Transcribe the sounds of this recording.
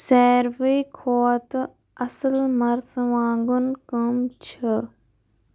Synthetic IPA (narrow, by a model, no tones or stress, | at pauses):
sɛːɾʋəjkʰoːt̪ | ɐsəlmɐɾsʋãːŋɡunkɐmt͡ʃʰə